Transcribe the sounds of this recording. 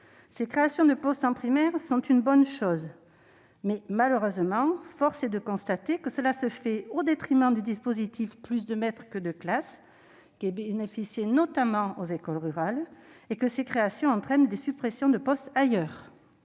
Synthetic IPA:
sekχeasjɔ̃d̪əpɔst̪ɑ̃pχimɛʁsɔ̃t̪ynbɔnʃɔz | mɛmaløʁøzmɑ̃fɔʁsed̪əkɔ̃st̪at̪ekəsəlasəfɛod̪et̪χimɑ̃d̪yd̪ispozit̪ifplys̬d̪əmɛt̪χəkəd̪əklas | kʲiɛbenefisjenɔt̪amɑ̃ozekɔlʁyʁalekəsekχeasjɔ̃ɑ̃t̪χɛnd̪esypχesjɔ̃d̪əpɔst̪ajœːʁ

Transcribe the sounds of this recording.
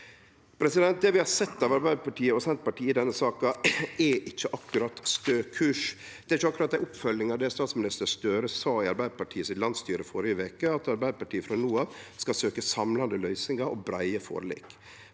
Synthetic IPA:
pʰɾɛsɪd̪ɛnt̪̚d̪ɛʋɪhɑɾsɛt̪ːɑʋɑɾbæɪd̪əpɑʈiːəɔsɛnt̪pɑʈiːɪd̪ɛnːəsɑːkɑɛʔɪt͡ʃːəʔɑkːʉɾɑt̪st̪øːkʰʉːʂ | d̪̥ɛɾɪçːəɑkːɾɑt̪d̪æɪʊpfœlːɪŋɑʋd̪ɛst̪ɑːt̪smɪnɪst̪əɾst̪øːɾəsɑːɪɑɾbæɪd̪əpɑʈʰiːəsɪt̪lɑnd̪st̪yːɾəfɔɾɪəʋeːkəɑt̪ɑɾbæɪd̪əpɑʈʰiːəfɾɑnuːɑʋskɑsøːkəsɑmlɑnd̪əlœʏsnɪŋɑɔbɾæɪəfo̰ːɾlɪ̰k

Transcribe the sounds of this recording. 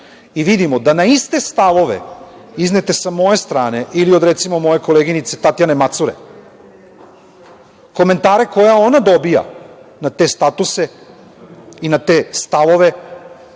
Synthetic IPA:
iʋid̪imo̞d̪anaist̪e̞st̪aʋo̞ʋe̞̰ | izne̞t̪e̞samo̞je̞st̪ɾaːne̞ʔiliod̪ɾe̞t̪simo̞mo̞je̞ko̞leːɡinit̪se̞t̪at̪jane̞mat̪suɾe̞̰ | ko̞me̞nt̪aːɾe̞ko̞jao̞nad̪o̞bija̰nat̪e̞ːst̪at̪use̞ | inat̪e̞ːst̪aʋo̞ʋe̞

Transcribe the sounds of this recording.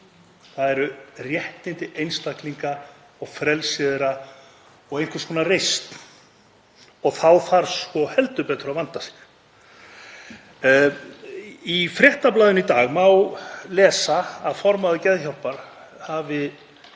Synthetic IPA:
θaðɛɾʏrjɛht̪nɪnt̪ɪʔejnst̪akliŋka | ɔɣfɾɛlsɪðɪɾa | ɔɣejnkvɪ̥skʰɔːnarejst̪ | ɔɣθawθaɾ̥skɔhɛlt̪ʏpɛːt̪ɾʏawvant̪asi̥x | ifɾjɛht̪aplaːðʏnit̪aːɣmawlɛːsaaðfɔɾmaðʏcɛðçɔwlpaɾ̥ | havɪ

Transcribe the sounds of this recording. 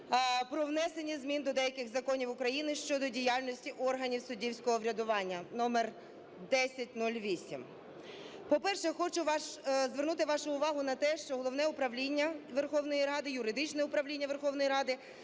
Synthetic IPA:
pɾɔʋnɛsenʲːizmʲind̪ɔd̪ɛjɐkɪxzɐkɔnʲiwʊkɾɐjinɪʃt͡ʃɔd̪ɔdʲijalʲnɔsʲtʲiʔɔrɦɐnʲiwsʊdʲiwsʲkɔɦɔʋɾʲɐd̪ʊʋɑnʲːɐnɔmer | d̪ɛsʲɐtʲnulʲʋʲisʲim | pɔpɛrʃɛxɔt͡ʃʊʋɑʃzʋernut̪ɪʋɑʃʊʊʋɑɦʊnɐt̪ɛʃt͡ʃɔɦɔlˠɔʋnɛʊpɾɐʋlʲinʲːɐʋerxɔʋn̪ɔjiɾɑd̪ɪjʊɾɪd̪ɪt͡ʃnɛʊpɾɐʋlʲinʲːɐʋe̞rxɔʋnɔjiɾɑd̪ɪ

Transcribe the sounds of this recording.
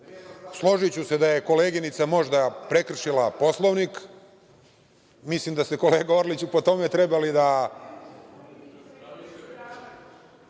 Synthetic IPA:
slˠo̞ʒit͡ɕuse̞d̪aje̞ko̞leːɡinit̪samo̞ʒd̪apɾe̞kr̩ʃilapo̞slˠoʋnik | mislimd̪ast̪eko̞leːɡaoɾlit͡ɕupo̞t̪o̞met̪ɾe̞balid̪a

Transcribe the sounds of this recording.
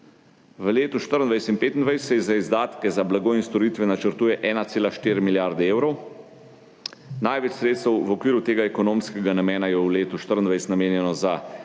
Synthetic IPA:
ʋəleːt̪uʃt̪əɾənd̪ʋajst̪inpeːt̪ind̪ʋajssɛzaizd̪aːt̪kɛzablaɡoinst̪ɔɾiːt̪ʋɛnat͡ʃəɾt̪uːjɛʔɛːnat̪seːlaʃt̪iːɾmiljaɾd̪ɛeːwɾɔw | najʋɛt͡ʃsɾeːt̪st̪ɛwʋɔkʋiːɾut̪eːɡaɛkɔnoːmskɛɡanamɛːnajɛwleːt̪uʃt̪əɾənd̪ʋajst̪nameːnjɛnɔza

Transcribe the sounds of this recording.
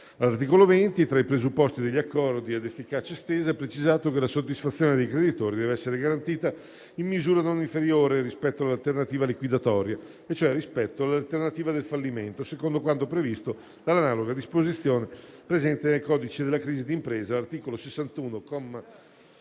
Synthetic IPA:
alart̪iːkolovent̪it̪ɾaipɾezupːɔst̪id̪eʎːiakːɔɾd̪iad̪efːikaːt͡ʃaest̪eːzaɛpɾet͡ʃizaːt̪okelasod̪ːisfat̪sːjoːned̪ejkɾed̪it̪oːɾid̪ɛvɛsːeɾeɡaɾant̪iːt̪a | imːizuːɾanoniɱfeɾjoːɾeɾispɛt̪ːoalalt̪ernat̪iːvalikwid̪at̪ɔːɾja | et͡ʃːoɛrːispɛt̪ːoalalt̪ernat̪iːvad̪elfalːiment̪osekond̪okwant̪opɾevist̪o | lalanaːloɡad̪ispozit̪sːjoːnepɾezɛnt̪enelkɔːd̪it͡ʃed̪elːakɾiːzid̪iːmpɾɛːzalart̪iːkolosesːant̪uːnokɔm

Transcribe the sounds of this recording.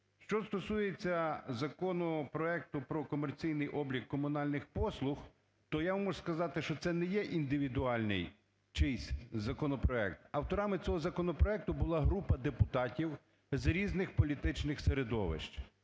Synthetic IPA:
ʃt͡ʃɔst̪ɔsujet͡sʲːɐzɐkɔnɔpɾɔɛk̚t̪ʊpɾɔkɔmert͡sʲijnɪjʔɔblʲikːɔmʊnɑlʲnɪxpɔslˠʊx | t̪ɔjaʋmɔʒskɐzɑt̪ɪʃt͡ʃɔt̪sɛnɛjɛʔind̪ɪʋʲid̪ʊɑlʲnɪ̰j | t͡ʃɪsʲzɐkɔnɔpɾɔɛk̚t̪ɐwt̪ɔɾɑmɪt͡sʲɔɦɔzɐkɔnɔpɾɔɛk̚t̪ʊbʊlˠɑɦɾupɐd̪epʊt̪ɑtʲiw | zɾʲiznɪxpɔlʲit̪ɪt͡ʃnɪxseɾed̪ɔ̰ʋɪ̰ʃt͡ʃ

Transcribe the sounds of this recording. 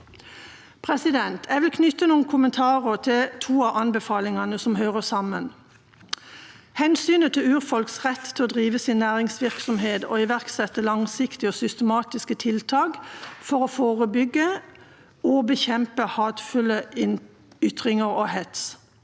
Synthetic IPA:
pʰʁɛsɪd̪ɛnt̪ʰɛːʋɪlkʰnʏt̪ənuːənkʰʊmənt̪ʰɑːʁəʁt̪ʰɪlt̪ʰuːɑʔɑnbəfɑːlɪŋɑnəsɔmhøːʁəsɑmən | hɛnsyːnət̪ʰɪlʉːʁfɔlksʁɛt̪ːt̪ʰɪɔːd̪ʁiːʋəsɪnːæːʁɪŋsʋɪʁksɔmɦeːd̪o̰ːɪʋæʁksɛt̪ːəlɑŋsɪkt̪ɪɔːsʏst̪əmɑːt̪ɪskət̪ʰɪlt̪ʰɑːɡfɔʁofoːʁəbʏɡːə | obəçɛmpəhɑːt̪fʉlə | ʏt̪ʁɪŋəʁoːhɛt̪s

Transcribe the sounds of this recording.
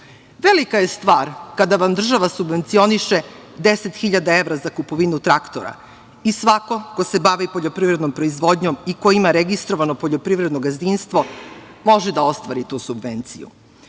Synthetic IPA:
ʋelikaje̞st̪ʋaːɾkad̪aʋamd̪r̩ʒaʋasubʋe̞nt̪sio̞niʃe | d̪eset̪xiʎad̪ae̞ʋɾazakupoʋinut̪ɾakt̪o̰ɾa̰ | isʋako̞ko̞se̞baʋipoʎo̞pɾivɾed̪nompɾo̞izʋo̞d̪ɲomikoimaɾeɡist̪ɾoʋanopoʎo̞pɾiʋɾed̪noɡazd̪inst̪ʋo̞ | mo̞ʒɛd̪ao̞st̪ʋaːɾit̪uːsubʋe̞nt̪sḭjṵ

